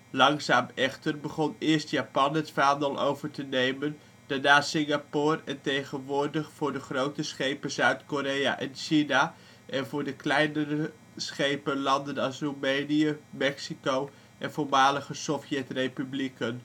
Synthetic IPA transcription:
lɑŋzaːmɛχtərbəχɔnɪəɹstjapɑnɦətfaːndəlˠʔo̰wvəɹtənejmən | d̥aɹnaːsɪŋɡapoːrɛntejχənʋʊːɹdəχfʊːɹdəχrowtəsχejpəzœɥtkoɾeja̰ʔɛnʃina | ʔɛnvʊːɹdəklɛjnəɾə | sχejpəlɑndənɑlsrumejnijəmɛksikow | ʔɛnvoːɹmaːləχəsɔfjɛtrejpyblikən

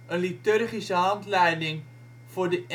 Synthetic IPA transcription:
ənlitørχisəɦɑntlɛjdɪŋ | fʊrdəʔ

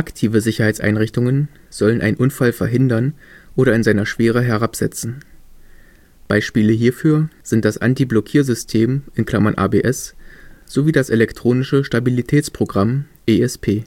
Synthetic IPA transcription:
ʔaktʰiːvəzɪçɐhaɪt͡sʔa̰ɪnʁɪçtʊŋən | z̥ɔlənʔa̰ɪnʔʊnfalfɛɐɦɪndɐnʔoːɾɐɪnzaɪnɐʃv̥eːʁ̞əɦɛɐʁapz̥ɛ̰t͡sn̩ | b̥aɪʃpiːləɦiːɐfyːɐz̥ɪnt̚d̥asʔa̰ntiblɔkʰiːɐzʏstʰeːmʔɪnkl̥amɐnʔa̰ːbeːʔɛsz̥oviːdasʔelɛktʁ̥oːnɪʃəʃtabilitʰɛːt͡spʁ̥oɡʁam | ʔeːɛspʰeː

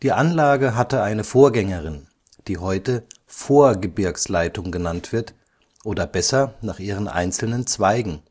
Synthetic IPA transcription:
d̥iːʔanlaːɡəɦatəʔaɪnəfoːɐɡɛŋəʁɪn | d̥iːɦɔʏtə | foːɐɡəbɪɐkslaɪtʊŋɡənantv̥ɪɐt | ʔoːdɐbɛsɐnaːχʔiːʁ̞ənʔa̰ɪnt͡sl̩nənt͡sv̥aɪɡŋ̩

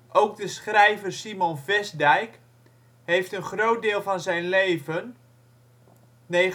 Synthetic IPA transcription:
ʔowɡ̚dəsχrɛjvərsimonvɛsdɛjk | ɦejftənχrowt̚dɪːlˠvɑnzɛjnlejvən | nej

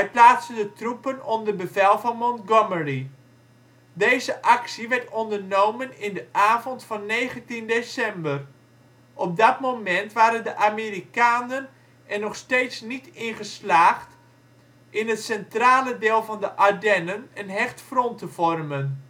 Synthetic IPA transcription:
ʋɛjplaːtsəndətrupənɔmdərbəvɛlˠvɑnmɔnɡɔməri | dejzəʔɑksiʋɛɹtɔndərnowmənɪndəʔaːvɔntfɑnːejχəntindesɛmbər | ʔɔp̚dɑtmowmɛntʋaːɾəndəʔameːrikaːnən | ʔɛnːɔχsteːtsnitɪnχəslaːχt | ʔɪnətsɛntraːlədeːlˠvɑndəʔadɛnənənɦɛχtfrɔntəvɔrmən

